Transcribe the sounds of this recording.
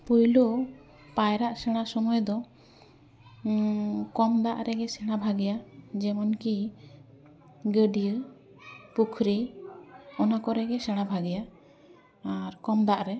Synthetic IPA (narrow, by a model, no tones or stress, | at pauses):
pujlu | pajɾaʔsɛɽ̃asɔmɔjd̪ɔ | kɔmd̪aʔɾɛɡɛsɛɽ̃abʱaɡɛjad͡ʒɛmɔnki | ɡəɖi | pukʰɾi | ɔnakɔɾɛɡɛsɛɽ̃abʱaɡɛjaː | ɾkɔmd̪aʔɾɛ